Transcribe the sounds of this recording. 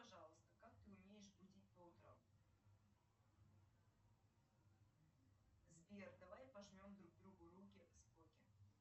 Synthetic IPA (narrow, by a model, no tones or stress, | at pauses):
pɐʐɑlˠəst̪ə̥kak̚t̪ɨʊmʲe̞jɪʂbudʲit̚ʲpout̪ɾə̰m | zvʲerd̪avajpɐʐmʲo̞md̪ɾuɡ̚d̪ɾuɡʊɾukʲɪsp̪okʲɪ